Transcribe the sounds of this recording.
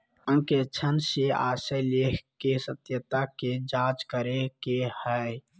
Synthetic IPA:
ə̃ŋket͡ʃʰənsea̰ːsəjlekʰkesət̪jət̪aked͡ʒãːt͡ʃkəɾekehɛ

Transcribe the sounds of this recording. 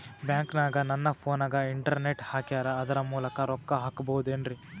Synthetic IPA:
bjaːŋknaːɡɐnɐnːɐpʰoːnaːɡɐiɳʈɐɾne̞ʈhaːkjaːɾɐɐd̪ɐɾɐmuːlɐkɐɾɔkːɐɦaːkbɐwud̪uenɖɾi

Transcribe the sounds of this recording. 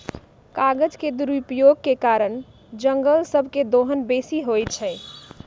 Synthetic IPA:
kaɡəd͡ʒked̪uɾupjoɡ̚kekaɾən | d͡ʒəŋɡəlsəbʱked̪oɦənbesiɦojt͡ʃʰɛɪ

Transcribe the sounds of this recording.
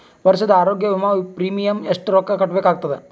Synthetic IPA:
ʋɐɾʃɐd̪ɐaːɾoːɡjɐʋimaʋipɾiːmijɐmeʂʈɾoːkːɐkɐʈːbeːkaːɡ̚t̪ɐd̪e

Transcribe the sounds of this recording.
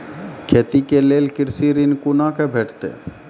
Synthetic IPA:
kʰet̪ikelelkɪɾsiɾinkunakebʱeʈt̪ḛ

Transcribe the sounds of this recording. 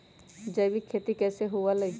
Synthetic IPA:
d͡ʒəbikʰːeːt̪ikɛːseɦualɐ

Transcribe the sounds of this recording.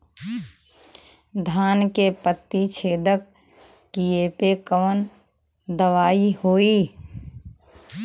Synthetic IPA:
d̪ʱaːnkepət̪ːit͡ʃʰeːd̪əkː | ijepekəʋən | d̪əʋaːihoːiː

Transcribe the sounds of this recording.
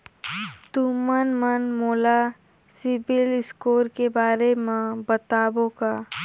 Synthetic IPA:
t̪umənmənmoːla | sɪbɪlɪskoːɾkebaːɾemẽbət̪aːbõkaː

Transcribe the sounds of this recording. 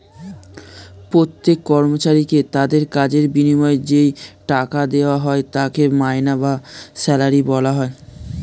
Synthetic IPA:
pɾot̪ːekːɔɾmot͡ɕaɾiket̪ad̪eɾkad͡ʑeɾbinimɔed͡ʑejʈakad̪eoaɦɔet̪akemaenabasɛlaɾibɔlaɦɔe

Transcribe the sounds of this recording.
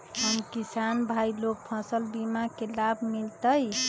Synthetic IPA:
ɦəmkisanbʱajlok̚pʰɔ̃səlbimakelabʱmilt̪əj

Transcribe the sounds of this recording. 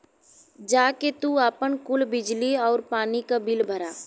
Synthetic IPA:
d͡ʒaːket̪uaːpənkʊlbɪd͡ʒliɔːɾpaːnikabɪlbʱəɾaː

